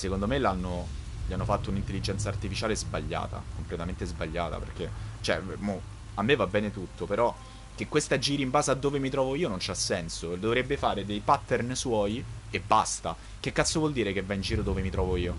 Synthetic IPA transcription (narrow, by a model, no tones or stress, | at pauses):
sekond̪omelanːo | ʎianːofat̪ːounint̪elːid͡ʒɛnt̪saːrt̪ifit͡ʃaːlezbaʎːa̰ːt̪a̰komplet̪ament̪ezbaʎːa̰ːt̪a̰pḛrk̟et͡ʃɛ̰mo | amːevːabːɛːnet̪ut̪ʰːopeɾɔ | k̟ekwest̪ad͡ʒiːɾimbaːzad̪ːoːvemit̪ɾɔːvoiːonont͡ʃasːɛnsod̪ovɾebːefaːɾed̪ejpat̪ːernswɔːj | ebːast̪a | k̟ekːat̪sːovwɔld̪iːɾekevːaind͡ʒiːɾod̪oːvemit̪ɾɔːvoiːo